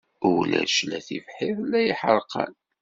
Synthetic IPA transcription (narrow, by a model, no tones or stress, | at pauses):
ʊlæ̰ʃlæθifħiðˤlːæjəħəɾˤqə̰n